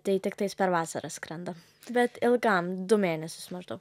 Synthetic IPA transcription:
t̪ʲɛjt̪ʲɪkt̪ɐɪspʲɛɾʋɑːsɐɾɐskɾɐnd̪ɐ | bʲɛt̪ɪlˠɡɑːmd̪ʊmʲeːnʲɛsʲʊsmɐʒd̪ɐːk

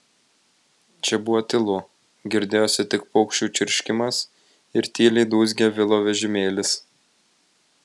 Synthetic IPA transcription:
t͡ʃʲɛbʊʋoːt̪ʲɪlˠʊ | ɡʲɪɾʲd̪ʲeːjoːsʲɪt̪ʲɪkpɔʊkʃʲt͡ʃʲuːt͡ʃʲɪɾʲʃʲkʲɪmɐs | ɪɾt̪ʲiːlʲɛɪd̪uːz̬ʲɡʲɛʋʲɪlˠoːʋʲɛʒʲɪmʲeːlʲɪs

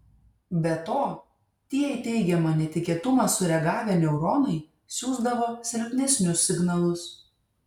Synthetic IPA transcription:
bʲɛt̪oː | t̪ʲiɛɪt̪ʲɛɪɡʲɛmɐnʲɛt̪ʲɪkʲiɛt̪ʊmɑsʊɾʲɛɡɑːʋʲɛnʲɛʊɾɔnɐɪ | sʲuːzd̪ɐʋoːsʲɛɾʲpʲnʲɛsʲnʲʊsːʲɪɡnɐlˠʊs

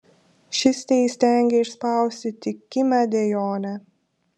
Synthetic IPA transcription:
ʃʲɪsʲt̪ʲɛɪsʲt̪ʲɛˑŋʲɡʲɛɪʃspɑˑʊsʲt̪ʲɪt̪ʲɪkʲɪmʲæd̪ʲɛjoːnʲɛ

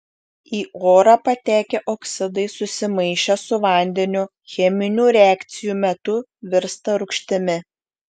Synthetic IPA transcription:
iːʔoːɾɑpɐt̪ʲæːkʲɛʔoksʲɪd̪ɐɪsʊsʲɪmɐɪʃʲɛsʊʋɐˑnʲd̪ʲɛnʲʊ | xʲɛmʲɪnʲuːɾʲæːkt̪sʲɪjuːmʲɛt̪ʊʋʲɪɾst̪ɐɾʊkʃʲt̪ʲɪmʲɪ

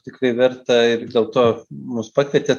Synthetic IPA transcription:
t̪ʲɪkrɐɪʋʲɛrt̪ɐɪrdʲeːlˠt̪oːmʊspɑːkʋʲiɛt̪ʲeː

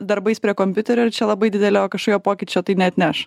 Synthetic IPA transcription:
d̪ɐɾbɐɪsʲpʲɾʲiɛkoːmʲpʲʊt̪ʲɛɾʲoːɪɾt͡ʃʲɛlˠɐbɐɪd̪ʲɪd̪ʲɛlʲooːkɐʃkoːjʲoːpoːkʲɪt͡ʃʲoːt̪ɐɪnʲɛɐt̪ʲnʲɛʃ

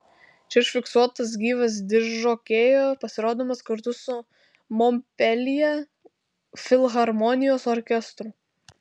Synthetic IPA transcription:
t͡ʃʲɛɪʃfʲɪksuɔt̪ɐs̬ɡʲiːʋɐs̬d̪ʲɪʃʒoːkʲeːjoːpɐsʲɪɾoːd̪omɐskɐɾt̪ʊsʊ | mɔmʲpʲɛlʲɪjɛ | fʲɪlˠɣɐɾmɔnʲɪjoːsɔɾʲkʲɛst̪ɾʊ

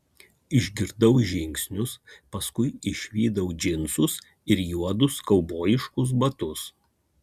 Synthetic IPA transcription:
ɪʒʲɡʲɪɾd̪ɐʊʒʲɪŋʲksʲnʲʊspɐskʊɪɪʃʲʋʲiːd̪ɐʊd͡ʒʲɪnsʊs | ɪɾjuɔd̪ʊskɐʊboːjɪʃkʊs̬bɐt̪ʊs

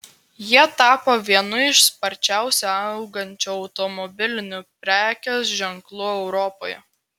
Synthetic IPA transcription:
jiɛt̪ɑːpoʋʲiɛnʊɪʃspɐɾʲt͡ʃʲæˑʊsʲɛɐʊɡɐnʲt͡ʃʲoɒʊt̪ɔmɔbʲɪlʲɪnʲʊpʲɾʲæːkʲoːsʒʲɛŋklˠʊɛʊɾɔpoːjɛ

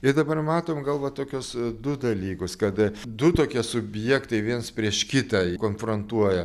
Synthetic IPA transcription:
ɪɾd̪ɐbɐrmɑːt̪oːmɡɐlˠʋɐt̪oːkʲʊsd̪ʊd̪ɐlʲiːkʊskɐt̪d̪ʊt̪oːkʲiɛsʊbʲjɛkt̪ɐɪʋʲiɛnspʲɾʲiɛʃkʲɪt̪ɐkoːnfɾont̪uɔjɛ

